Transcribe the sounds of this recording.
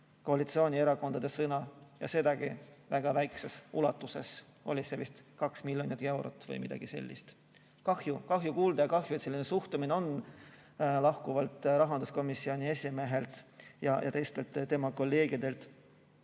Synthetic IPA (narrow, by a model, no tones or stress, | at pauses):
ko̞ɑlit̪sioːnʲie̞ɾɑko̞nd̪ɑd̪̥e̞sɤnɑjɑ̰se̞d̪ɑɡ̥ivæɡ̥ɑvæjkse̞sulɑt̪ːˑuse̞s | o̞̰lʲisevist̪kɑksmilʲːjonit̪ːe̞wɾo̰t̪ːˑvɤ̰jmid̪̥ɑ̰ɡ̥ise̞̰lʲːḭst̪ | kɑhjukɑɦjukuːld̪ɑjɑkɑɦjuet̪se̞lːinesuht̪umineo̞n | lɑhkuvɑlt̪ˑɾɑɦɑnd̪̥usko̞misːio̞nʲie̞sʲime̞ɦe̞lt̪jɑjʔɑ̰t̪e̞jst̪e̞lt̪t̪ːe̞mɑko̞lːe̞ːɡ̥id̪e̞lt̪